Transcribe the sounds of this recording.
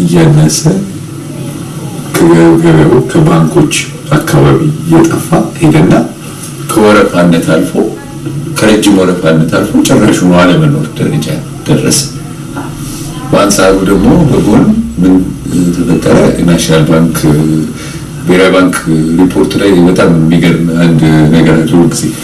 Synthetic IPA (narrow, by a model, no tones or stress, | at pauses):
ɨjanːəsə | kʰəɡəɾakʰəbaŋkʰo̞t͡ʃː | akʰːaβaβijɛt̪ʼəfːahed̪ənːa | kʰəwɔɾəfanːət̪ʰalfow | kʰəɾəd͡ʒːɪmwɔɾəfanːət̪ʰalfot͡ʃʼɛrːaʃunwaləmənoɾd̪əɾəd͡ʒa̰ | d̪̥ərːə̰sə̥ | bəʔand̪saɾud̪əɡmo̞bəɡonɨmːɨnt̪ʰəfət̪ʼːələ̰naʃinalbaŋk | beɾajbaŋkɾipʰo̞ɾt̪ʰlajbət̪ʼammːiɡəɾnand̪nəɡəɾad̪ɨluɡiz̥e